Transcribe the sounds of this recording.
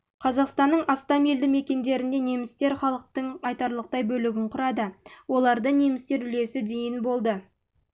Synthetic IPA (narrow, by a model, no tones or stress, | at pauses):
qʰɑzɑqst̪ɑnːəɴɑst̪ɑme̞ld̪ɪme̞kʲe̞nd̪e̞ɾɪnd̪e̞ne̞mɪst̪e̞ɾχɑlˠəq̚t̪əɴqʰɑjt̪ɑɾlˠəq̚t̪ɑjbɵlɪɡʲɪɴqʰʊɾɑd̪əwo̞lˠɑɾd̪əne̞mɪst̪e̞ɾʏle̞sɪd̪e̞jɪnbo̞lˠd̪ə